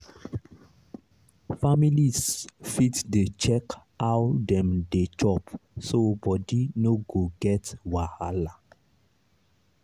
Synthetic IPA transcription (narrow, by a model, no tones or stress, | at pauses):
familisfitdet͡ʃɛk | awdɛ̃mdet͡ʃɔpsobɔdinoɡoɡɛtwahala